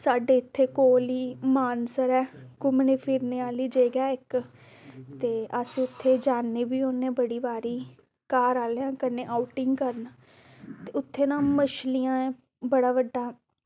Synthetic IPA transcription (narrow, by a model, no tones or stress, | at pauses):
saːɖeːɪt̪ʰːeːkoːliːmaːnsəɾɛːkʊmneːpʰiɾneːaːliːd͡ʒeːɡjaːɪk | t̪eːʔəsiʊt̪ʰːeːd͡ʒaːneːbiːoːnẽːbəɽiːbaːɾiː | kaːɾaːleãːkənẽːʔaːuʈɪŋɡkəɾn | t̪eːʊt̪ʰːeːnãːməʃlijãːɛ̃ː | bəɽaːʋəɖːaː